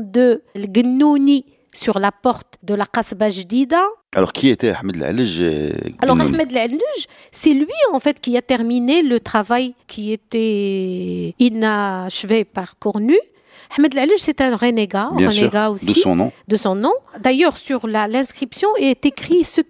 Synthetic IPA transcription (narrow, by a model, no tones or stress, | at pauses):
d̪əlɡənːuni | syʁlapɔʁt̪d̪əlaqɑsbaʒd̪id̪aʔæ̰lɔ̰ʁkʰiet̪eħməd̪əlʕ̰ləʒælɔʁəħħməd̪əlʕləʒ | sɛlwiɑ̃fɛt̪kiat̪ɛʁminelət̪χavajkʰiet̪ɛ | inaʃvepaʁkɔʁny | ħməd̪əlʕləʒsɛt̪ɛ̃ʁeneɡabjʁeneɡaosd̪əisɔ̰̃nɔ̰̃d̪əsɔ̃nɔ̃d̪ajœʁsyʁlalɛ̃skχipsjɔ̃et̪ekχisə